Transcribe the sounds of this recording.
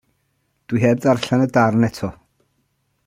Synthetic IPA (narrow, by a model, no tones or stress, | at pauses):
d̥wiɦɛb̚darɬanədarnɛtʰɔ